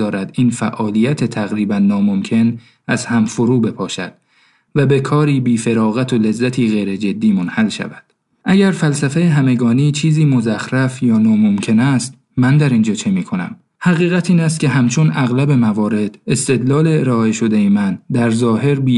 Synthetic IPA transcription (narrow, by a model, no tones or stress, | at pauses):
ɒːɾæd̪iːnfæʔɒːlijæt̪ʰet̪ʰæɣɾiːbænːɒːmomcʰe̞n | ʔæzhæmfoɾuːbe̞pʰɒːʃæ̰d̪̥̚ | væbe̞kʰɒːɾiːbiːfe̞ɾɒːɣæt̪ʰo̞le̞zːæt̪ʰiːɣejɾe̞d͡ʒe̞d̪ːiːmo̞nhælʃæ̰væd̪̥ | ʔæɟæɾfælsæfejeɦæme̞ɡɒːniːt͡ʃʰiːziːmo̞zæxɾæfjɒːnɒːmo̞mcʰe̞næst̪ | mænd̪æɾind͡ʒɒːt͡ʃʰe̞miːkʰo̞næ̰m | hæɣiːɣæt̪ʰiːnæs̬t̪̚cʰʲe̞ɦæmt͡ʃʰonæɣlæbe̞mævɒːɾe̞d̪̥e̞st̪e̞d̪lɒːle̞eɾɒːe̞ʃo̞d̪e̞jemænd̪æɾzɒːhe̞ɾbiː